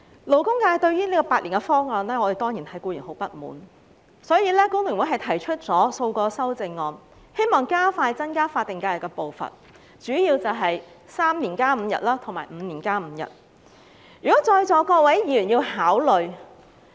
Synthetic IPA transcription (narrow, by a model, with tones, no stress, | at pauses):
lo˨˩wkʊ˥ŋkaː˧jt̪ɵ˧ɥjyː˥niː˥kɔː˧paː˧t̚li˨˩ŋkɛ˧fɔː˥ŋɔː˧nlɛː˥ŋɔ˨˧e˨jt̪ɔː˥ŋjiː˨˩nt̪hʰɐ˨˥jkuː˧jy̰ː˨˩nho˨˥wpɐ˥t̚mṵː˨˥n | sɔː˨˥jiː˧lɛː˥kʊ˥ŋwɪ˨˩ŋwjɦɐ˨jt̪ʰɐ˨˩jt͡ʃʰɵ˥t̚t͡sɔː˨˥so˧wkɔː˧sɐ˥wt͡sɪ˨˧ŋːɔː˧n | he˥jmɔː˨ŋkaː˥faː˧jt͡sɐ˥nkaː˥faː˧t̪̚ɪ˨ŋkaː˧jɐ˨˩kːɛ˧po˨wfɐ̰˨n | t͡ʃyː˨˥jiː˧wt͡sɐ˨wɦɐ˨j | saː˥mniː˨˩nkaː˥m̩˨˧jɐ̰˨t̚laː˥t̪ʰʊ˨˩ŋma̰ː˨˩jm̩ː˨˧niː˨˩nkaː˥m̩˨˧jɐ̰˨t̚ | jyː˨˩kɔː˨˥t͡sɔː˧jt͡sɔː˨˥kɔː˧wɐ˨˥jjiː˨˥jyː˨˩njiː˧whaː˨˥wlɵ˨˩ɥ